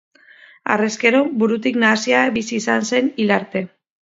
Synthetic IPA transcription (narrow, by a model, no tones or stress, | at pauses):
a̰reske̞ɾo̞buɾut̪iknaːsiaβisiːsanse̞nilaɾt̪e̞